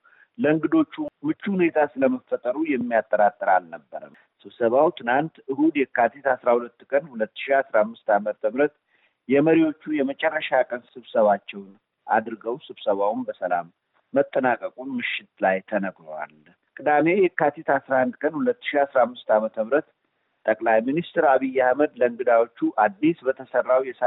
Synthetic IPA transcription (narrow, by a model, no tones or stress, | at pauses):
ləɨŋɡɨd̪o̞t͡ʃːumɨt͡ʃːuhune̞t̪ʰasɨləməfət̪ʼəɾujɛmːijat̪ʼːəɾat̪ʼːɨɾalnəbːəɾə̰ | sɨβsəβawt̪ʰɨnant̪ɨhud̪jɛkːat̪ʰet̪asɾahulət̪ːkʼənhulət̪ːɨ̥ʃiasɾamːɨst̪amət̪ʰəmɾət̪ | jɛməɾiwo̞t͡ʃːujɛmət͡ʃʼɛrːəʃakʼənsɨβsəβat͡ʃːɛwn | ʔa̰d̪ɾɨɡəwsɨβsəβawunbəsəla̰mː | ət̪ʼːənakʼəkʼunmɨʃːɪt̪lajt̪ʰənəɡɾəwa̰l | kʼɨd̪ame̞jɛkːat̪ʰit̪asɾahand̪kʼənhulət̪ːɨ̥ʃiasɾamːɨst̪amət̪ʰəmɾət̪ | t̪ʼəkʼlajminist̪ɾaβijːahməd̪ləɨŋɡɨd̪awo̞t͡ʃːuʔad̪ːisbət̪ʰəsərːawjɛs